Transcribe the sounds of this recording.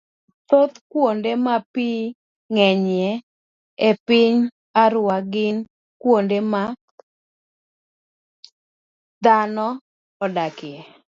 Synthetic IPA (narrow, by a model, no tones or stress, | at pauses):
t̪ot̪kwondemapi | ŋɛɲɛ | epɪɲ | aɾwaɡɪn | kwondema | d̪anɔː | dakɪɛ